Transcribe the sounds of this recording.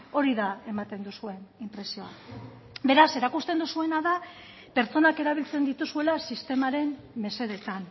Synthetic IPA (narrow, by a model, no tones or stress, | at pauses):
o̞ɾiðae̞mat̪e̞nd̪usue̞nimpɾe̞sio̞a | be̞ɾase̞ɾakust̪e̞nd̪usue̞naða | pe̞ɾt͡so̞nake̞ɾaβ̞ilt͡se̞nd̪it̪usue̞lasist̪e̞maɾe̞mː | e̞se̞ðe̞t̪an